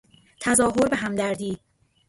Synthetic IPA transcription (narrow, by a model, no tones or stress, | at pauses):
t̪ʰæzɒːɦoɾbe̞ɦæmd̪æɾd̪iːd̪̥